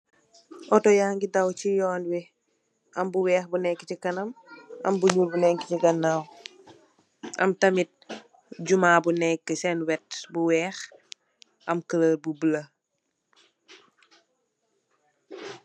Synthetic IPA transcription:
ʔɔtɔjaŋɡidɐwcijɔːnwi | ʔɐmbuwɛːxbunɛkːicikɐnɐmɐ̰mbuɲuːlbunɛŋkːiciɡɐnːaw | ʔɐ̰mtɐmit̚ | ɟumaːbunɛkːəsɛnwɛt̚buwɛːx | ʔɐmkələlbubəlɐ

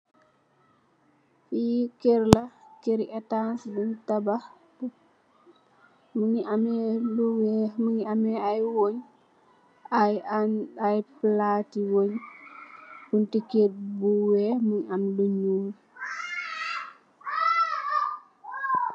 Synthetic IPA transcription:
fikeɾlakeɾiɛtansbuntaba | muɲiamɛluwɛmuɲiamɛajwoɲ | ajanajplaːtiwoɲ | buntikeɾbuwɛmuɲanluɲuː

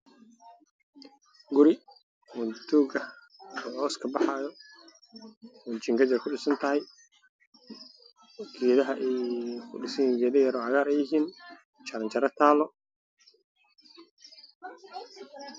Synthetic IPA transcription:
ɡʊɾɪ | mʊd̪uːɡɐ | ɔʕɔːskʰɐbɑħɑːjɔ | mʊt͡ʃɪŋkʰɐt͡ʃɐrkʰʊɖɪsɐnt̪ʰɐɦɛj | kʰiːðɐɦɐʔɛjkʰʊ̰ɖɪsɛjnɡɛːðɐjɐɾɔːʕɑɣaːɾɛjɪɦiːn | t͡ʃɐɾɐɲt͡ʃɐɾɐt̪ʰaːlɔ

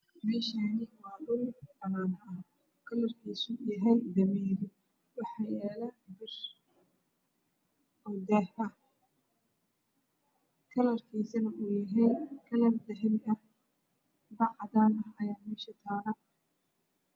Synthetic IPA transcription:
mɛːʃanɪwɑːdʊldɐnaːnʔɐ | kʰɐlɐrkʰiːsʊjɛɦɛjd̪ɐmiːɾɪ | wɑħɑjɛːlɐbɪr | ʔɔːd̪ɛːhɐ | kʰɐlɐrkʰiːsɐnɐʔuːjɐɦɛjkʰɐlɐrd̪ɐɦɪlɐh | bɑʕd̪aːnɐɦɐjaːmɛːʃɐt̪ʰaːɾɐ

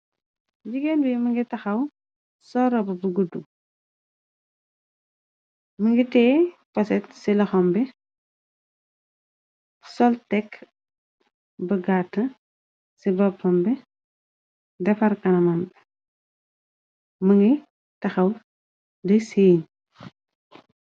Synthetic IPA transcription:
ɟiɡenbimɐŋɡitɐxɐw | sɔɾɐbɐbuɡudu | məŋɡitɛːpɐsɛtsilɐxɔmbɛ | sɔltɛk | bɐɡatːɐ | sibɐpɔmbɛ | dɛfɐɾkɐnɐmɐmbɛ | mɐŋɡi | tɐxɐw | dɐseːɲ

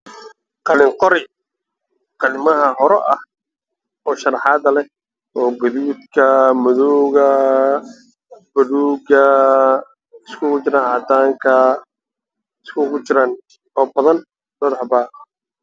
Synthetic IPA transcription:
qɑlɪŋqɔɾɪ | qɑnɪmɐɦɐɦɔɾɛʔɐh | ɔːʃɐrɑħɑːd̪ɐlɛ | ʔɔːɡɐðuːd̪kʰɐmʊðuɣɐ | b̥ɐɽuːɡɐ | ɪskʰʊkʊt͡ʃɪɾaːnaːd̪aːŋkʰɐ | ɪskʰʊkʰʊt͡ʃɪɾaːn | ɔːbɐðɐn | mɐðɐħbaːqɐ

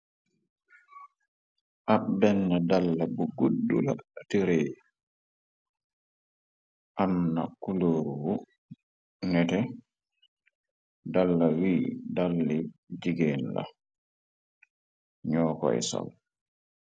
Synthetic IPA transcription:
ʔabɛnːadalːabuɡudːula̰atiɾe | ʔamnakuloːɾwu | nɛtɛ | dalːawiːdalːid͡ʒiɡeːnla̰ | ɲɔːkɔ̰ɛ̰sa̰l

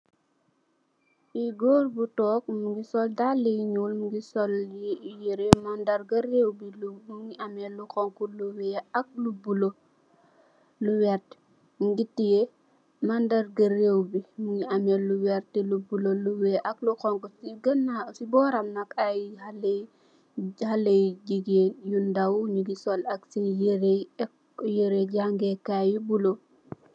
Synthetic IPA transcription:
iɡoːrbutɔːk̚muɡisɔldalːijiɲulmuɡisɔljijiɾemandɐɾɡɐrewbilumuŋiamɛlːukɔŋkuluwɛɐk̚lubulo | luwɛrt | muɡitije | mandɐɾɡɐɾewbimuŋiamelːuwɛɾtɛlubuloluweʔakluxɔŋkɔsiɡɐnasibɔːɾamnakajhale | halejɟiɡenjundawuɲuɡisɔlaksijeɾek | jeɾeɟaŋɡekajubulo

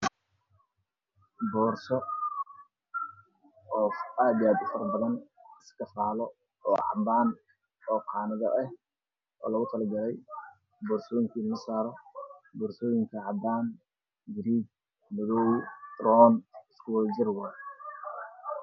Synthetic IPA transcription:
bɔːrsɔ | ɔːaːd̪jaːd̪ʊfɐrbɐðɐnɪskʰɐfaːlɔ | ɔːʕɑ̰mbaːn | ɔːqʰɑːnɪðɐʔɛh | ʔɔ̰ːlɐɣʊt̪ʰɐlɐɡɐlɛj | bɔːrsɔːjɪŋkʰiːnlɐsaːɾɔbɔːrsɔːjɪŋkʰɐʕɑb̪aːn | ɡɪɾiːɡ | mɐðɔːwd̪̥rɔːnskʰʊwɛld͡ʒɪrwar

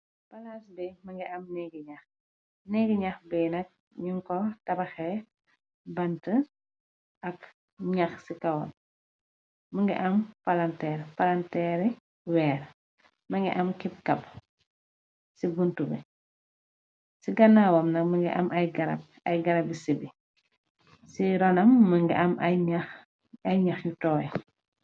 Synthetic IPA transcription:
b̥ɐlaːsbɛmɐŋɡiʔɐmnɛɡiɲɐx | nɛɡiɲɐxbɛnɐk̚ | ɲuŋkɔtɐbɐxɛ | bɐntɐ | ʔɐk | ɲɐxsikɐwɔ̰n | mɐŋɡḭʔɐmpɐlɐntɛːɾpɐlɐntɛːɾɛ | wɛːɾ | mɐŋɡḭʔɐmkip̚kɐp | sibuntubḭ | siɡɐnaːwɔmnɐkmɐŋɡḭʔɐmɐjɡɐɾɐ̰b̚ | ɐjɡɐɾɐbisibi | siɾɔnɐmːɐŋɡḭʔɐmɲax | ɐjɲɐxjutɔːjɛ

